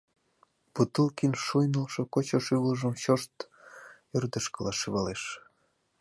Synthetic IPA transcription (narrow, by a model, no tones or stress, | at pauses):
put̪əlkinʃujnəlʃokot͡ɕoʃyβləʒəmɕoʃt̪ | ørd̪əʃkəlɑʃiβɑleʃ